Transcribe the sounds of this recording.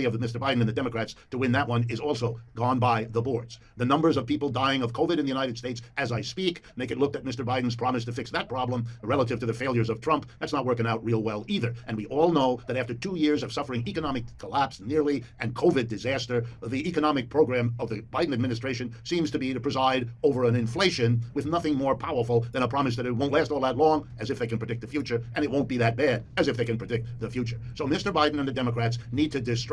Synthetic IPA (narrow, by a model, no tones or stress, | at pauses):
iʌvmɪstə˞baɪdⁿn̩ɨ̃nðɨdɛmɨkʰɹ̥ætstʰəwɪ̃nðɨt̚wʌ̃nɪzɔlˠsoʊɡ̥ɔ̃nbaɪðəbɔɹdz̥ | ðɨnʌ̃mbə˞zʌv̥pipl̩ˠdaɪɪ̃ŋʌv̥kʰoʊvɨɾɨ̃nðɨjʉnaɪɾɨd̥steɪtsʔɨzaɪspikmeɪkɨtˡlʊk̚ðɨt̚mɪstə˞baɪdⁿn̩z̥pʰɹ̥ɑmɨstʰɨfɪksðɨt̚pʰɹ̥ɑblə̃mɹɛlˠəɾɨv̥tʰɨðɨfeɪlˠjə˞zʌv̥tʰɹ̥ʌ̃mp̚ðɨtsnət̚wɜ˞kɪ̃ŋaʊt̚ɹilˠwɛlˠiðə˞ʔɨ̃nwiʔɔlˠnoʊðɨɾæftə˞tʰujɪɹzʌv̥sʌfə˞ɪ̃ŋikɨnɑmɨkʰːəlæpsnɪɹlˠiɨ̃nkʰoʊvɨdɨzæstə˞ðiʔikɨnɑmɨk̚pʰɹ̥oʊɡɹæ̃mʌvðɨbaɪdⁿn̩ɨd̚mɪ̃nɨstɹ̥eɪʃɨ̃nsĩmz̥tʰɨbiɾɨpʰɹ̥ɨzaɪɾoʊvə˞ɨ̃nɨ̃ɱfleɪʃɨ̃nwɨðnʌθɪ̃ŋmɔɹpʰaʊə˞fl̩ˠðɨ̃ɾ̃əpʰɹ̥ɑmɨs̬ðɨɾɨt̚wõʊ̃nʔlæstɔlˠðətˡlɔ̃ŋ | ɨzɨfðeɪkɨ̃pʰɹ̥ɨdɪk̪̚ðɨfjʉt͡ʃə˞ʔɨ̃ñɨt̚wõʊ̃nb̥iðɨt̚b̥æɾɨzɨfðeɪkɨ̃npɹ̥ɨdɪk̚t̪̚ðɨfjʉt͡ʃə˞soʊmɪstə˞baɪdⁿn̩ɨ̃nðɨdɛməkʰɹ̥ætsnid̚tʰɨdɨst